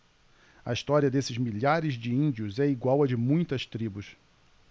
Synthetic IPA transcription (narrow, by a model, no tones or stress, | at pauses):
ɐ̰ist̪ɔɾiɐd̪esɪzmiʎaɾɪzd͡ʒɪĩnd͡ʒiʊzɛiɡwawɐd͡ʒɪmũj̃t̪ɐst̪ɾibʊs